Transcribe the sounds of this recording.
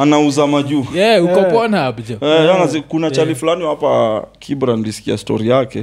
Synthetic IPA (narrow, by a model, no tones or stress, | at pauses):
anauzamaʄujɛukɔpɔnabd͡ʒɔɛjnazikunat͡ʃalifulaniwapakʰibɾanilisi̥kia̰stɔ̰ɾijakɛ